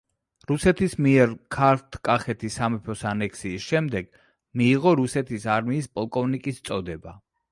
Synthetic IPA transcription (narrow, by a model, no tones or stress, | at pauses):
ɾusɛt̪ʰismiɛɾkʰaɾt̪ʰkʼaχɛt̪ʰisamɛpʰɔsanɛkʰsiːsʃɛmd̪ɛɡ̥ | miːʁɔɾusɛt̪ʰisaɾmiːspʼɔlˠkʼɔvnikʼist̪sʼɔd̪ɛba